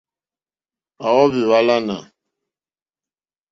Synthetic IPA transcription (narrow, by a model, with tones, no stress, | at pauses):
a˨wɔ˦vi˨wa˦la˦na˨